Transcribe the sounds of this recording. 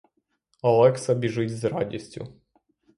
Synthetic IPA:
ɐlˠɛksɐbʲiʐɪtʲzɾɑ̰dʲisʲtʲʊ̰

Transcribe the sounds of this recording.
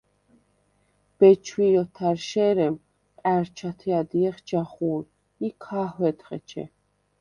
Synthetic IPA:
b̥ɛt͡ʃʰwiɾɔt̪ʰaɾʃɛːɾɛm | qʼæɾt͡ʃʰat̪ʰiad̪iɛχd͡ʒaχuːl | ikʰaːhwɛt̪ʰχɛt͡ʃʰɛ̰

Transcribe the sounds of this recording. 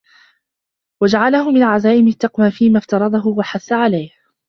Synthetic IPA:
wad͡ʒaʕalahʊmɪnʕazaːʔɪmɪt̪ːɑqwaːfiːmaft̪ɑɾˤɑd̪ˤɑɦʊwaħaθːaʕalajh

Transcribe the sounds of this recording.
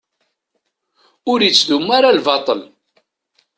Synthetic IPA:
ʊɾjət͡sːðumːaɾalvɑt̪ˤəl

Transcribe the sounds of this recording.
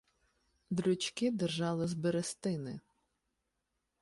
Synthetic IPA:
d̪ɾʊt͡ʃkɪd̪ɛrʒɑlˠɪzbeɾest̪ɪnɪ

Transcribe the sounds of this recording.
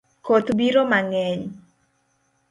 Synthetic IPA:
kot̪biɾomaŋɛɲ

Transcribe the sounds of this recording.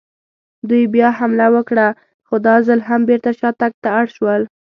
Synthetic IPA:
d̪ujbjɑhamlawəkɽa | xod̪ɑzalɦambeɾt̪aʃɑt̪ak̚t̪aaɽʃwəl

